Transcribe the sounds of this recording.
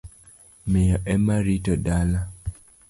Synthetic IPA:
meɔʔɛmaɾitɔdala

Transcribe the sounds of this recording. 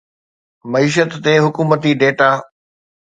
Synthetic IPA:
mɐiːʃ̬ət̪ːeɦʊkuːmət̪iɖeːʈaː

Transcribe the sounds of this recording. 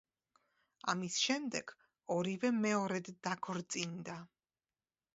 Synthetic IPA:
a̰misʃɛmd̪ɛɡ̥ | ɔɾivɛmɛɔɾɛd̪ːakʰɔɾt̪sʼind̪a

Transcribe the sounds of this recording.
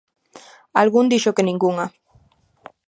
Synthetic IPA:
alɣund̪iʃokeniŋɡuŋa

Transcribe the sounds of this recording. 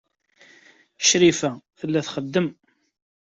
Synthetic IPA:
ʃɾifæθəlːæθχəd̪ːəm

